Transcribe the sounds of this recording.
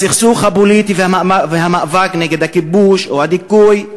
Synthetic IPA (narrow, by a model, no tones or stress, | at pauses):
siχsuχabulit̪iveamaaveɦamaʔvakneɡed̪hakibuʃohad̪ikuj